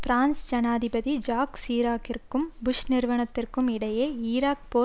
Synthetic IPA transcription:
fɾaːnsd͡ʒɐnaːðɪbɐðid͡ʒaːksiːɾaːkɪrkɯmbʊʂnɪɾʋɐɳɐt̪ːɪrkɯmɪɽɐjeːiːɾaːk̚poː

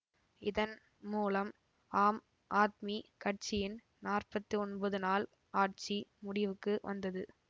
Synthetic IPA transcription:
ɪðɐn | muːlɐm | aːm | ʔaːt̪̚mikɐʈ̚t͡ʃɪjɪn | naːrpɐt̪ːiɔnbɐðɯnaːl | aːʈ̚t͡ʃimʊɽɪʋɯkːɯʋɐ̰nd̪ɐðɯ

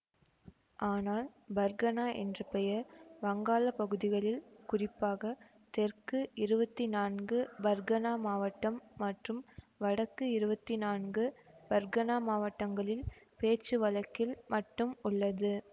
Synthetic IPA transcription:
ʔaːnaːlbɐɾɡɐnaːʔɛ̰ndrɐpɛjɐʋɐŋɡaːlɐpɐɣɯðɪɣɐɭɪlkʊrɪpːaːɣɐ | t̪ɛrkɯɪɾɯbɐt̪ːinaːnɡɯbɐɾɡɐnaːmaːʋɐʈːɐmːɐʈrɯm | ʋɐɽɐkːɯɪɾɯbɐt̪ːinaːnɡɯbɐɾɡɐnaːmaːʋɐʈːɐŋɡɐɭɪlpeːt͡ʃːɯʋɐlɐkːɪlmʔɐʈːɯmʊɭːɐðɯ

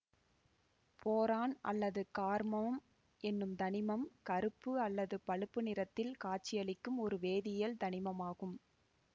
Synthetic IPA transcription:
pʰoːɾaːnʔɐ̰lːɐðɯkaːɾmɐm | ʔɛnːɯmd̪ɐnɪmɐmkɐɾɯpːɯɐlːɐðɯpɐɭɯpːɯnɪɾɐt̪ːɪlkaːʈ̚t͡ʃːɪjɐlɪkːɯmɔɾɯʋeːðɪjɐld̪ɐnɪmɐmaːɣɯm

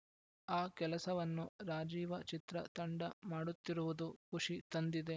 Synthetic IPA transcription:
aːkɛlɐsɐʋɐnːuɾaːd͡ʒiːʋɐt͡ʃit̪ɾɐt̪ɐɳɖɐmaːɽut̪ːiɾuʋud̪ukuʂit̪ɐnd̪id̪e̞

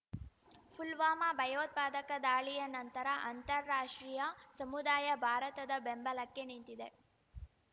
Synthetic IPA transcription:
pʰulʋaːmabʱɐjɐʋɐt̪̚paːd̪ɐkɐd̪aːɭijɐnɐnt̪ɐɾɐʔɐnt̪ɐɾːaːʂʈɾiːjɐsɐmud̪aːjɐbʱaːɾɐt̪ɐd̪ɐbembɐlɐkːenint̪id̪e

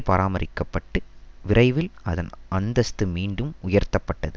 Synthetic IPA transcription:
pɐɾaːmɐɾɪkːɐpːɐʈːɯʋɪɾɐɪʋɪlɐðɐnɐnd̪ɐst̪ɯmiːɳɖɯmʊjɐɾt̪ːɐpːɐʈːɐðɯ

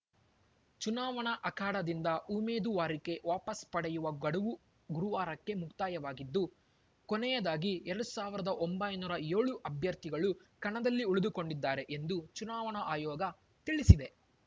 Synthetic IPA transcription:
t͡ʃunaːʋɐɳɐʔɐkaːɽɐd̪ind̪ɐʔumeːd̪uʋaːɾike̞ʋaːpɐspɐɽɛjuʋɐɡɐɽuʋu | ɡuɾuʋaːɾɐkːe̞mukt̪aːjɐʋaːɡid̪ːu | konɛjɐd̪aːɡiɛɾɐɽusaːʋiɾɐd̪ɐʔombɐjnuːɾɐjeːɭuʔɐbʱjɐɾt̪iɡɐɭukɐɳɐd̪ɐlːiuɭud̪uko̞ɳɖid̪ːaːɾe̞ʔend̪ut͡ʃunaːʋɐɳɐʔaːjɔːɡɐ | t̪iɭisid̪e̞

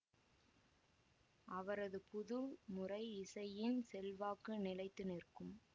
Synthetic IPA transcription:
ʔɐʋɐɾɐðɯpʊðʊɭmʊrɐɪɪsɐjɪnsɛlʋaːkɯnɪlɐɪt̪ːɯnɪrkɯm

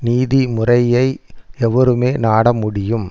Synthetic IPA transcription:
niːðimʊrɐjɐɪɛʋɐɾɯmeːnaːɽɐmʊɽɪjɯm

